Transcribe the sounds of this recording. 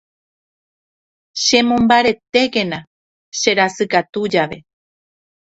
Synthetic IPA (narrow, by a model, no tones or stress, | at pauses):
ʃẽ̞mõ̞mbaɾe̞t̪e̞ke̞nã | ʃe̞ɾasɨkat̪ud͡ʒaʋe̞